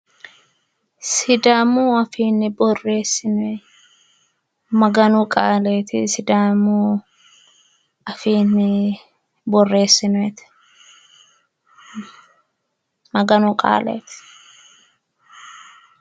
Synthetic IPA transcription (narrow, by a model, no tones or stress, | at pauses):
sɪd̪aːmuːɐfiːnːɪbɔrːe̞ːsɪnɛ | mɐɡɐnʊkʼaːleːt̪ɪ̰sɪd̪aːmuː | ɐfiːnɪ | bɔrːe̞ːsːɪnʊɛt̪ɪ̥ | mɐɡɐnʊkʼa̰ːlḛːt̪ɪ̥